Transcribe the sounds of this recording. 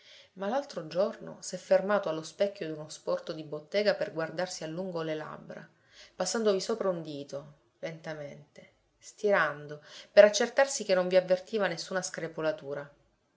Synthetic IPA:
malalt̪ɾod͡ʒorno̰sɛfːermaːt̪oalːospɛkʲːjod̪unospɔrt̪od̪ibot̪ːeːɡaperɡward̪arsialːuŋɡolela̰bːɾa̰ | pasːand̪ovisoːpɾaund̪iːt̪o | lent̪ament̪e | st̪iɾand̪opeɾat͡ʃːert̪arsik̟enːoɱviavːert̪iːvanesːuːnaskɾepolat̪uːɾa

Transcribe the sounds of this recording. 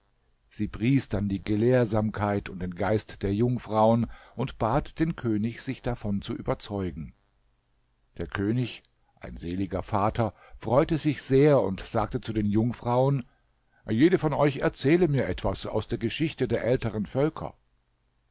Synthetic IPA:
z̥iːbʁiːsd̥andiːɡəleːɐzaːmkʰaɪtʊnt̚d̥eːnɡaɪstd̥eːɐjʊŋfʁ̥aʊənʔʊntb̥aːtd̥eːnkʰøːnɪçz̥ɪçd̥afɔnt͡suʔyːbɐt͡sɔʏɡŋ̩ | d̥eːɐkʰøːnɪç | ʔa̰ɪnzeːlɪɡɐfaːtʰɐ | fʁ̥ɔʏtəzɪçz̥eːɐʊ̰ntz̥aːk̚tət͡sudeːnjʊŋfʁ̥aʊən | jeːɾəfɔnɔʏçɛɐt͡sɛːləmiːɐʔɛtv̥asa̰ʊsd̥eːɐɡəʃɪçtədeːɐʔɛltəʁənfœlkʰɐ̰

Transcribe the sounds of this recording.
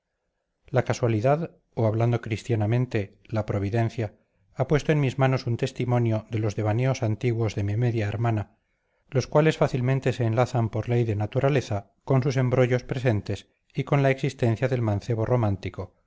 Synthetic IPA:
lakaswaliðað | oaβland̪o̞kɾist̪janamẽnt̪e̞ | lapɾo̞β̞iðẽ̞n̟θja | apwe̞st̪oe̞nmizmano̞sunt̪e̞st̪imõ̞njoðe̞lo̞zðe̞β̞aneo̞sant̪iɣwo̞zðe̞mimeðjaeɾmana | lo̞skwale̞sfaθilmẽnt̪e̞se̞ːnlaθampo̞ɾle̞jðenat̪uɾale̞θa | ko̞nsuse̞mbɾo̞ʝo̞spɾe̞s̬e̞nt̪es | iko̞nlaeksist̪ẽ̞nθjaðe̞lmãn̟θe̞β̞o̞ro̞mãnt̪iko̞

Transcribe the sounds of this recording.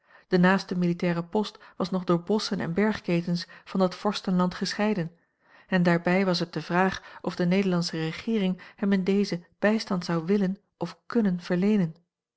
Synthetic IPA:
d̥ənaːstəmilitɛːʁəpɔstʋɑsnɔχdʊːɹbɔsənʔɛ̰nbɛɹχkejtənsvɑndɑtfɔɹstənlɑntχəsχɛjdən | ɛndaːɹbɛjʋɑs̬ɦət̚dəvraːχɔvdənejdəɹlɑnsəʁəχɪːrɪŋhɛmɪndejzəb̥ɛjstɑntsɑwʋɪlən | ʔɔfkɵnənv̥əɹlejnən

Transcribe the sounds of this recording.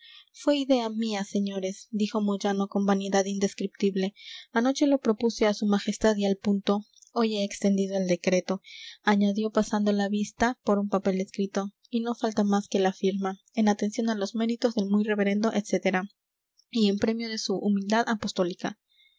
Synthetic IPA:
fwe̞iðe̞amiase̞ɲo̞ɾe̞sd̪ixo̞moʝano̞ko̞mbaniðaðind̪e̞skɾip̚t̪iβle̞ano̞t͡ʃe̞lo̞pɾo̞puseasumaxe̞st̪aðialpunt̪o̞ | oje̞ːkst̪e̞nd̪iðo̞eld̪e̞kɾe̞t̪o̞aɲaðjo̞pasand̪o̞laβist̪apo̞ɾumpape̞le̞skɾit̪o̞ | ino̞falt̪amaske̞lafiɾma | e̞nat̪e̞nsjo̞nalo̞zme̞ɾit̪o̞zðe̞lmujre̞βe̞ɾe̞nd̪o̞ʔet̪se̞t̪e̞ɾa | ie̞mpɾe̞mjo̞ð̞e̞suʔːmild̪aðapo̞st̪o̞lika̰

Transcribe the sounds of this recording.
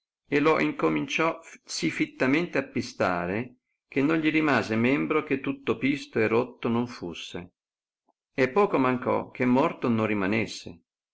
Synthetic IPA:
eloʔiŋkomint͡ʃɔsifit̪ːament̪eapːist̪a̰ːɾe | k̟enːonʎiɾimaːzemɛmbɾoket̪ːut̪ːopist̪oerot̪ːonoɱfusːḛ | epːɔːkomaŋkɔ̰k̟emːɔrt̪onorːimanesːḛ

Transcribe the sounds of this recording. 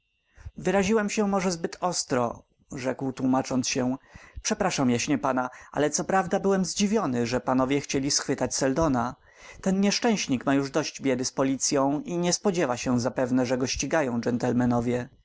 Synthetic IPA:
vɘɾaʑiwɛmɕɛmɔʐɛzbɘt̪ɔst̪ɾɔ̰ | ʐɛkwt̪wumat͡ʂɔnt̪sɕɛpʂɛpɾaʂamjaɕɲɛpanaʔa̰lɛt̪sɔpɾavd̪abɘwɛmzd͡ʑivʲjɔnɘʐɛpanɔvʲjɛxt͡ɕelʲisxfɘt̪at͡ɕsɛld̪ɔna | t̪ɛnɲɛʂt͡ʂɛ̃w̃ɕɲikmajuʐd̪ɔɕd͡ʑbʲjɛd̪ɘspɔlʲit̪sʲjɔ̃w̃iɲɛspɔd͡ʑɛvaɕɛzapɛvnɛʐɛɡɔɕt͡ɕiɡajɔ̃w̃d͡ʐɛnt̪ɛlmɛnɔvʲjɛ

